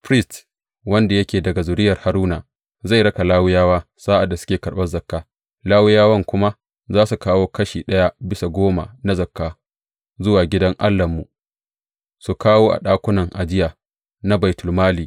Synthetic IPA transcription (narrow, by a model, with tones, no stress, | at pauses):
pɾɪ˦st | wɐ˦nda˨jɐ˦kʲeː˨dɐ˨ɡa˨zʊ˨ɾɪ˦jɐ˨rha˨ɾuː˦naː˨ | za˦˨jɾɐ˦ka˨laː˦wɪ˦jaː˦waː˦ | saː˦ʔa˨dːa˨sʊ̥˦kʲeː˨kɐ˨ɽɓɐ˦zɐ˨kːaː˦ | laː˦wʊ˦jaː˦wɐ˦˨ŋkʷʊ˦ma˦ | zaː˦su˨kaː˦woː˦kɐ˦ʃiː˨ɗɐ˦ja˦bɪ˦sa˨ɡʷoː˦ma̰˨na˦zɐ˨kːaː˦ | zʊ˦waː˨ɡʲɪ˦dɐ˦ŋʔa˦lːɐ˨mːu˨ | su˨kaː˦woː˦ʔa̰˨ɗaː˦kʷʊ˦nɐ˨ŋʔa˨d͡ʒɪ˦jaː˨ | na˦ba˨jtʊ˨lmaː˦liː˨